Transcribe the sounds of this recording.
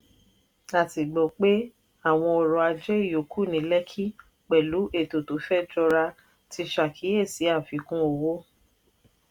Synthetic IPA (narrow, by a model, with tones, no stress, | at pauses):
a˨ti˨ɡ͡bɔ˨k͡pe˦ | a˦˨w̃ɔ̃˧ɔ˨ɾɔ˨a˧d͡ʒɛ˦i˦˨jo˨kʰu˦˨nĩ˨˦lɛ˦kʰi˦ | k͡pɛ˨lu˨˦ʔe˦˨to˨to˨˦fɛ˦d͡ʒɔ˧ɾa˧ | ti˧ʃa˨kʰi˨˦e˦˨si˨˦a˦˨fi˨˦kũ˦o˧˨wo˦